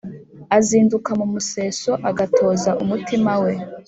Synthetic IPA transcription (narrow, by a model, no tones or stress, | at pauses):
aziːndukamumuse̞ːso̞ʔaɡatʰo̞ːzaʔumutimawe̞